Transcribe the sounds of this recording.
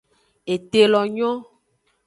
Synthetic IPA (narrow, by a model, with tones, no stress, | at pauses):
e˨t̪e˨lɔ˨ɲɔ̃˦